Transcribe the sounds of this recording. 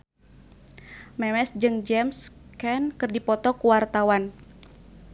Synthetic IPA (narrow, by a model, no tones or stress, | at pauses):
mɛmɛsd͡ʒɨŋd͡ʒɛmskɛnkɨrdipɔt̪ɔkuwart̪awan